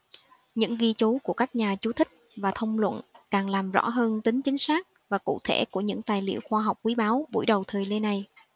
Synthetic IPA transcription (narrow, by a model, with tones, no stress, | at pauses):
ɲɨ̰˧˥ŋɣi˧t͡ɕu˨˦ku˧˩əkaː˦˥k̚ɲaː˨˩t͡ɕu˨˦t̪ʰï˦˥k̟̚vaː˨˩t̪ʰə˧wŋ͡mlwə̰˧˨nkaː˨˩ŋlaː˨˩mzɔ̰˧˥ɦəː˧nt̪ï˨˦ŋ̟t͡ɕï˨˦ŋ̟saː˦˥k̚ | vaː˨˩kṵ˧˨t̪ʰe˧˩ku˧˩əɲɨ̰˧˥ŋt̪aː˨˩jlḭ˧˨əwxwaː˧ɦa˨˩wk͡p̚kwi˨˦ɓaː˨˦wɓṵ˧˩jɗə˨˩wt̪ʰɨː˨˩jle˧nːa˨˩j